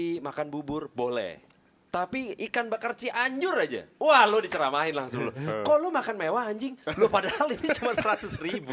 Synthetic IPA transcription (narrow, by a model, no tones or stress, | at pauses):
imakanbubʊrbolɛ̰h | t̪apiikanbəkərt͡ʃiʔaɲd͡ʒʊrad͡ʒa̰wahlodit͡ʃəɾamaɦɪnlaŋsʊŋlʊ̰kɔlomakanmewaːɲd͡ʒɪŋlʊpadahalinit͡ʃumansəɾat̪ʊsribu